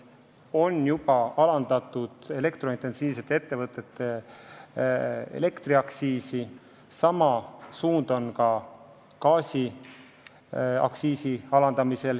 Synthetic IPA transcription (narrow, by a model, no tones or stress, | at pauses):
o̞njubɑɑlɑnd̪̥ɑt̪ːˑud̪̥e̞le̞kt̪ɾo̞int̪ːe̞nsiːvse̞t̪ːˑe̞t̪ːe̞vɤt̪ːˑe̞t̪ːˑe | ḛle̞kt̪ɾiɑksiːsi | sɑmɑsuːnd̪̥o̞nkɑ | kɑːsi | ɑ̰ksiːsiɑlɑnd̪̥ɑmise̞l